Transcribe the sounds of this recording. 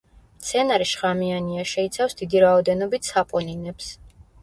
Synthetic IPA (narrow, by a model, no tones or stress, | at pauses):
mt̪sʰɛnaɾiʃʁamianiaʃɛit̪sʰafsd̪id̪iɾaɔd̪ɛnɔbit̪ʰsapʼɔninɛps